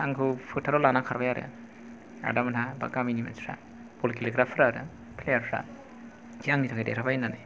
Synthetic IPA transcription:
aŋkʰɯpʰɯtʰaɾɔlanakʰaɾbajaɾɯ̰ | a̰damanaba̰ɡaminima̰nsɾa̰ | b̥ulkiliɡɾapʰɾaɾɯ̰ | pʰlejaɾɾa̰ | d͡ʒiaŋnitʰakʰajdḛɾʰabajnanɯ

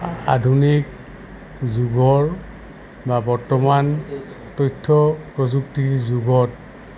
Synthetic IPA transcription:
a̰dʱunik | zuɡɔɹ | babɔɹtɔman | tojtʰːɔpɹɔzuktiɹzuɡɔt̚

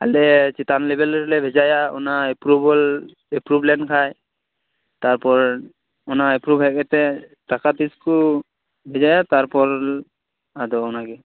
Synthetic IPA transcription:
a̰lɛt͡ʃit̪anlɛbɛlɾlɛbʱɛd͡ʒajaɔ̰naɛpɾubɔl | ɛpɾublɛnkʰaj | t̪aɹpɔɹ | ɔnaɛpɾubʱɦɛkɛt̪ɛtakat̪isku | bʱɛzajat̪aɹpɔɹ | adɔɔnaɡɛ

